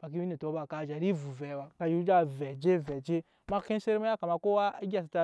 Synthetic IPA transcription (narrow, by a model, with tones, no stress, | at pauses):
fa˨k̬i˦wi˦ne˨to˨˦ba˨ka˨d͡ʒa˨ɾi˦vu˨vɛ˨wa˨ka˧ju˦d͡ʒa˦vɛ˨d͡ʒe˦vɛ˨d͡ʒe˦ | ma˦ke˦n˦se˦ɾma˦ja˦ka˨ma˨ko˦a˦ɡʲa˨s̬a˨ta˦